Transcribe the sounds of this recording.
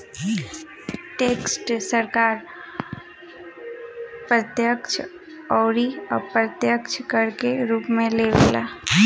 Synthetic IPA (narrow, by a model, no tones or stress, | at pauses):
ʈeːksʈsəɾkaːɾ | pɾət̪jəkt͡ʃʰ | ɔːɾiɔ̰pɾət̪jəkt͡ʃʰkəɾkeɾuːpmẽleʋela̰